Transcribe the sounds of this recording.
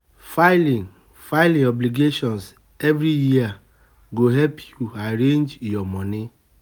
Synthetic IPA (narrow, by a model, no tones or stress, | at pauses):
faɪlĩŋ | faɪlĩɔbliɡeʃɔ̃ns | ɛvɾijia | ɡoɦɛlpʰjuaɾẽnd͡ʒjɔmɔ̃ni